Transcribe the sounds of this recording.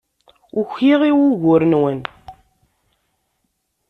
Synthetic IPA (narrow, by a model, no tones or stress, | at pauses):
ʊçiʁiwʊʝʊɾənwən